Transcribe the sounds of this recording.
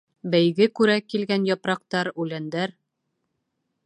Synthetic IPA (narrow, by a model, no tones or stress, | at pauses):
bæjɡɘkʉɾækilɡænjɒpɾɑq̚t̪ɑɾʉlænd̪æɾ